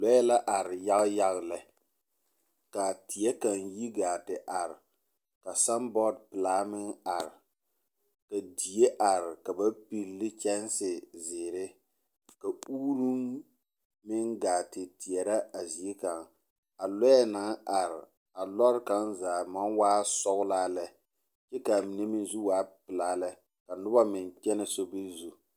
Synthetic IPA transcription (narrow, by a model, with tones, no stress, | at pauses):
lɔ˦ɛ˦la˦ʔa˨ɾɪ˨ja˦ɣja˦ɣlɛ˨ | ka˨ti˨ɛ˦ka˨ŋji˦ɡaː˨tɪ˨ʔa˨ɾɪ˨ | ka˨sa˦mbɔ˦dpɨ˨laː˨˦mɪ˦ŋa˨ɾɪ˨ | ka˨di˨je˦ʔa˨ɾɪ˨ka˨ba˦pi˨llɪ˦t͡ʃɛ˦n˦sɪ˨zɪː˨ɾɪ˦ | ka˨uː˦ɾu˦ŋ | mɪ˦ŋɡaː˨tɪ˨ti˨ɛ˨ɾa˦a˨zi˨e˦ka˨ŋ | a˨lɛ˦ɛ˦na˨˦ŋa˨ɾɪ˨ | a˨lɔ˦ɾɪ˦ka˦nzaː˨ma˦nwaː˦sɔ˦ɣʊ˦laː˦lɛ˦ | t͡ʃɛ˦ka˨mi˨ne˦mɪ˦n˦zu˦waː˨˦pɪ˨laː˦lɛ˦ | ka˨nʊ˦ba˦mɪ˨nt͡ʃɛ˦nɪ˦so˦bi˦zu˦